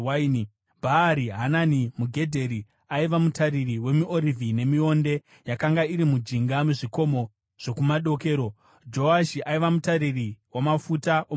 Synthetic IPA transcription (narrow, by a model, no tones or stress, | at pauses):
aini | bʱaːɾiɦananimuɡʱe̞dʱeɾi | aiʋamutaɾiriwe̞miʔoɾivine̞mio̞nde̞ | jakaŋɡaiɾimud͡ʒiŋɡameʐiko̞mo̞ | ʐ̥o̞kumaɗo̞ke̞ːɾo̞ | d͡ʒo̞aʃiʔaiʋamutaɾiriwamafutaʔo